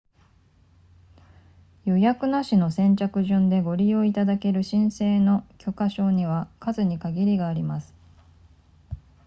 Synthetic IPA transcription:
jojakɯ̟naɕino̞sẽ̞ɲ̟t͡ɕakɯ̟ʑɨ̃nd̪e̞ɡo̞ɾʲio̞it̪ad̪ake̞ɾɯ̟ɕĩɰ̃se̞ːno̞kʲʰo̞kaɕo̞ːɲ̟iβ̞akazɨɲ̟ikaɡʲiɾʲiɡaːɾʲimasɨ̥

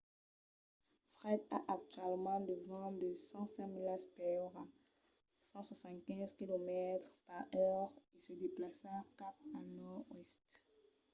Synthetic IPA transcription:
fʁɛd̪a̰ʔak̚t̪ɥɛlmɑ̃d̪əvɑ̃d̪əsɑ̃sɛ̃milaspɛʁa | sɑ̃swasɑ̃nt̪kʲɛ̃zkʲilomɛt̪χpaʁœʁesəd̪eplasakapanɔʁwɛst̪

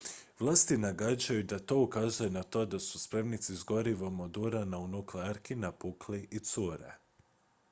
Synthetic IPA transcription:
ʋlˠaːst̪inaɡad͡ʑajud̪at̪o̞ukaːzujenat̪o̞d̪asuspɾemnit̪sizɡo̞ɾiʋo̞mod̪uɾanaunukleaɾkinapukliʔit̪suɾḛ

